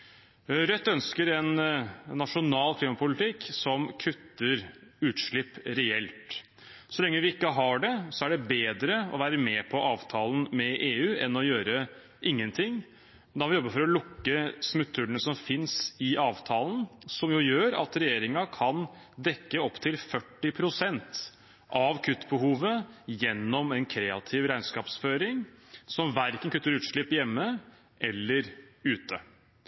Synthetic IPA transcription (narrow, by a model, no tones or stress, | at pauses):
ɾœt̪ːœnskəɾɛnːɑʂʊnɑːlkʰliːmɑpʰʊlɪt̪ɪkːsɔmkʰʉt̪ːəɾʉːt̪ʂɭɪpːɾɛɛlt̪ | sɔlɛŋːəʋɪɪkːəɦɑɖɛsɔæɖɛbeːd̪ɾəɔ̰ʋæːɾəmɛpʰɔʔɑːʋt̪ʰɑːln̩mɛʔeːʉːɛnɔjøːɾə | ʔɪŋːənt̪ʰɪŋː | d̪ɑɑʋɪjɔbːəfɔɾɔlʊkːəsmʉt̪ʰːʉɭənəsɔmfɪnsɪʔɑːʋt̪ʰɑːln̩sɔmjʊjøːɾɑ̰t̪ɾɛjeːɾɪŋɑkʰɑn | d̪ɛkːəɔpːt̪ʰɪlfœʈːɪpʰɾʊsɛnt̪ | ʔɑʋkʰʉt̪ːbəɦuːʋəjɛnːɔmɛnkʰɾeːɑt̪ʰɪʋɾæɪnskɑːpsføːɾɪŋsɔmʋæɾkənkʰʉt̪ːəɾʉːt̪ʂɭɪpːjɛmːə | ʔɛlːəɾʉːt̪ə